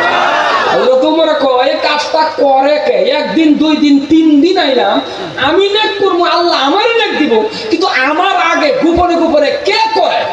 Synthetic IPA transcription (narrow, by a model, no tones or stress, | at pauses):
ɦelod̪umɔɾekɔekast̪akɔɾekeek̚d̪ind̪ujd̪int̪ind̪inajlam | aminek̚puɾmɔalːaːmaɾilek̚d̪ibu | kĩnt̪uʔamaɾaɡeɡupɔɽ̃ikupɔɾekekɔɾe